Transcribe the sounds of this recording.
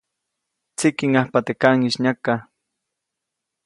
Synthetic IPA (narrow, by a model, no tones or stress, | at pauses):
t͡sikiŋahpat̪ekaŋiʃɲaka